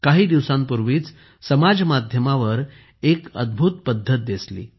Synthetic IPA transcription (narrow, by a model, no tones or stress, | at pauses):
kaɦiːd̪iʋsãmpuɾʋiːt͡s | səmad͡zmad̪ʱjəmaʋəɾ | ekə̰d̪̚bʱut̪pəd̪ʱːət̪̚d̪eslḭː